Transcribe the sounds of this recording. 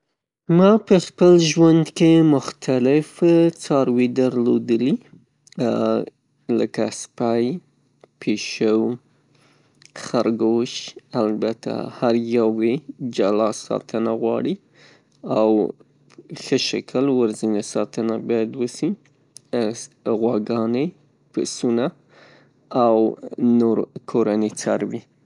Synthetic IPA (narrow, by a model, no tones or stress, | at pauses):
mɑpəxpəlʒwand̪kemʊxt̪ʰalɪft͡sɑɾwid̪aɾlod̪əli | ləkaspaj | pʰeʃəw | xaɾɡoʃalbat̪ʰa̰haɾjawed͡ʒalɑsɑ̰t̪ʰənaɣwɑɽi | aw | xəʃa̰kʰəlwəɾzinasɑt̪ənabɑjad̪wəsi | ɣwaɡɑne | pəsuna | awnoɾkʰoɾanet͡saɾwi